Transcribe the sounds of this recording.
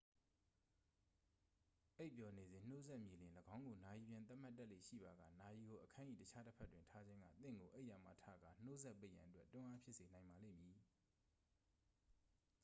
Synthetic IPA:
ʔe˦ɪʔpjɔ˨ne˨zɪ̃˨n̥o˦zɛ˦ʔmji˨lɪ̃˨lə˨ɡã˦ʊ̃ŋɡo˨na˨ji˨bjɪ̃˨nt̪̬a˦ʔm̥a˦tːa˦ʔlḛ˦˨ʃḭ˦˨ba˨ɡa̰˦˨na˨ji˨ɡo˨ʔəkʰã˦ʔḭ˦˨tət͡ɕʰa˦tə˦pʰɛ˦˨twɪ̃˨ntʰa˦d͡ʑɪ̃˦ŋɡä̰˦˨t̪ɪ̰̃˦˨ŋɡo˨ʔe˦ʔja˨ma̰˦˨tʰa˦˨ɡa̰˦˨n̥o˦zɛ˦ʔpːe˦˨ʔjã˨ʔətwɛ˦tʊ̃˦ʔa˦pʰjɪ˦ʔse˨nã˨ɪ̃mba˨lḛ̃˦˨mji˨

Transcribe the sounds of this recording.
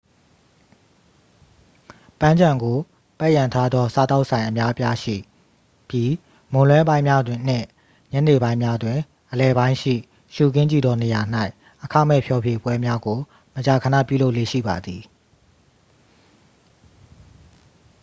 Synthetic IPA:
pã˦ɲd͡ʑã˨ŋɡo˨ | pɛ˦ʔjã˨ntʰa˦d̪ðɔ˦sa˦t̪a˦ʊʔsʰã˨ɪ̃ʔə˨mja˦ʔəpja˦ʃḭ˦˨ | pji˦ | mõ˨ʊ̃lwɛ̃˦bã˦ɪ̃mja˦dwɪ̃˨n̥ɪ̰̃˦˨ | ɲɛ˦ne˨bã˦ɪ̃mja˦dwɪ̃˨ | ʔəlɛ˨bã˦ɪ̃ʃḭ˦˨ | ʃu˨kɪ̃˦ɲd͡ʑi˦˨d̪ɔ˨ne˨ja˨n̥a˦ɪʔ | ʔəkʰa̰˦˨mɛ̰˦˨pʰjɔ˨pʰje˨bwɛ˦mja˦ɡo˨ | mət͡ɕa˨kʰə˨nä̰˦˨pjṵ˦˨lo˦ʊʔlḛ˦˨ʃḭ˦˨ba̰˨d̪i˨

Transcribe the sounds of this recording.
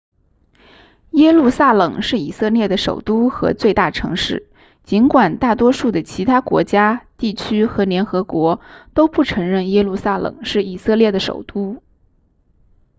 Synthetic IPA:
jɛ˥lu˥˧sa˥˩lɤ˨˩ŋʂɻ̩˥˩i˨˩sɤ˥˧ljɛ˥˩d̪ə˩ʂo̰˨˩ʊt̪u˥xɤ̰˧˥t͡swe˥˧ɪt̪a˥˩ʈ͡ʂʰɤ̰˧˥ŋʂɻ̩˥˩ | t͡ɕi˧˥nkwa˨˩nt̪a˥˩t̪wɔ˥ʂu˥˩d̪ə˩t͡ɕʰi˧˥t̪ʰa˥kwɔ̰˧˥t͡ɕja˥t̪i˥˩t͡ɕʰy˥xɤ˧˥ljɛ˧˥nxɤ˧˥kwɔ˧˥t̪o˥ʊpu˥˩ʈ͡ʂʰɤ˧˥ŋɻə˥˩njɛ˥lu˥˩sa˥lɤ̰˨˩ŋʂɻ̩˥˩i˨˩sɤ˥˧ljɛ˥˩d̪ə˩ʂo̰˨˩ʊt̪u˥

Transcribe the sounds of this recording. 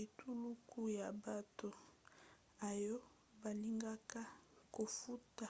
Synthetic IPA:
e˨tu˦lu˦ku˦ja˨ba˨to˨ | a˨jɔ˦ | ba˨li˦ŋɡa˦ka˦ko˨fu˦ta˨

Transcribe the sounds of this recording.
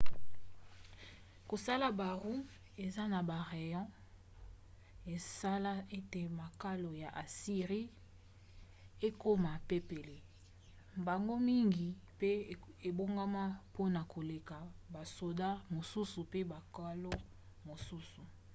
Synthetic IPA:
ko˨sa˦la˨ba˨ʁu˦ | e˨za˦na˨ba˨ʁe˨jɔ̃˦ | e˨sa˦la˦e˦te˨ma˨ka˦lo˨ja˨ʔa˨si˨ʁi˦ | e˦ko˦ma˨pe˦pe˨le˨ | mba˨ŋɡo˦mi˦ŋɡi˨ | pe˦e˨bo˦ŋɡa˦ma˦po˦na˨kʰo˨le˨ka˨ba˨so˨da˦mo˨su˦su˨pe˦ba˨ka˦lo˦ | mo˨su˦su˨

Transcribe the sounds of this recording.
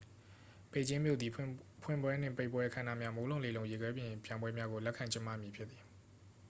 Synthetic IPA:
pe˦˨t͡ɕɪ̃˦mjo̰˦˨d̪ði˨pʰwɪ̰̃˦˨mbwɛ˦n̥ɪ̰̃˦˨pe˦ɪʔpwɛ˦ʔəkʰã˦˨na̰˦˨mja˦mo˦lõ˦˨le˨lõ˨ʊ̃je˨ɡwɛ˦pjɪ̃˨pjã˨ɪ̃mwɛ˦mja˦ɡo˨lɛ˦kʰã˨ɲt͡ɕɪ̃˦ma̰˦˨mji˨pʰjɪ˦t̪t̪ːi˨

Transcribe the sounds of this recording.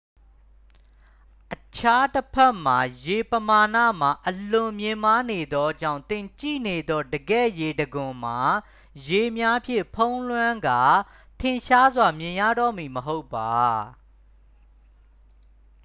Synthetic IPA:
ʔət͡ɕʰa˦təpʰɛ˦ʔm̥a˨je˨pəma˨nä̰˦˨m̥a˨ʔəlʊ̃˨mjɪ̃˨ma˦ne˨d̪ɔ˦d͡ʑã̰˦˨ʊ̃t̪ɪ̃˨t͡ɕḭ˦˨ne˨d̪ɔ˦˨dəɡɛ̰˦˨je˨dəɡʊ̃˨m̥a˨ | je˨mja˦pʰjɪ̰̃˦˨pʰõ˦ʊ̃lwã˦ŋɡa˨ | tʰɪ̃˨ʃa˦zwa˨mjɪ̃˨jä̰˦˨ɾɔ̰˦˨mi˨məɦo˦ʊpːa˨

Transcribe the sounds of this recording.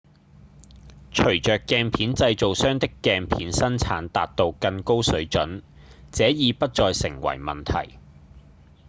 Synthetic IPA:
t͡ʃʰɵ˨˩ɥt͡ʃœː˨kːɛː˧npʰiː˨˥nt͡sɐ˧jt͡so˨wsœː˥ŋt̪ɪ˥kːɛː˧ŋpʰiː˨˥nsɐ˥nt͡sʰa̰ː˨˥nt̪aː˨t̚t̪o˧wkɐ˧nko˥wsɵ˨˥ɥt͡ʃɵ˨˥n | t͡sɛː˨˥jiː˨˧pɐ˥t̚t͡sɔː˧jsɪ˨˩ŋwɐ̰˨˩jmɐ̰˨nt̪ʰɐ̰˨˩j

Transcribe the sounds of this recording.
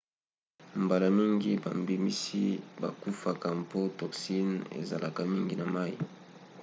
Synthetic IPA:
mba˨la˨mi˦ŋɡi˦ba̰˨mbi˨mi˦si˦ba̰˨ku˦fa˨ka˨mpo˦tɔ˨ksi˦nḛ˨za̰˨la˨ka˦mi˦ŋɡi˦na˨ma˦ḭ˦˨

